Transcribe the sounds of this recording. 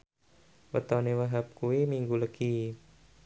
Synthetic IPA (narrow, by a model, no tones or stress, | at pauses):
wət̪ɔnewaɦap̚kuwimiŋɡuləɡi